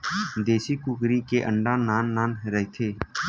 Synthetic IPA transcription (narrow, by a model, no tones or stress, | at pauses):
d̪eːsikʊkɾikeʔə̃ɳɖãːnːaːnːaːnɾəɦt̪ʰeː